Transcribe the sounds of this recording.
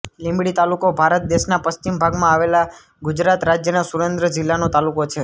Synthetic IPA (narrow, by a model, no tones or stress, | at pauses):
lĩmbɽit̪alukobʱaɾət̪̚d̪eʃnapəst͡ʃimbʱaɡmãaʋela | ɡud͡ʒɾat̪ɾad͡ʒjənasuɾend̪ɾəd͡ʒɪlːanot̪alukot͡ʃʰe